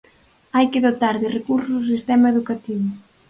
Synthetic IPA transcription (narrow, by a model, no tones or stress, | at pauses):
ajkɪðot̪aɾðɪrekuɾsʊzðʊs̬ist̪ɛmaeðukat̪iβʊ